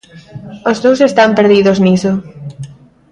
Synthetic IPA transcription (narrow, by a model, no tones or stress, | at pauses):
ozðowsest̪ampeɾðiðozniso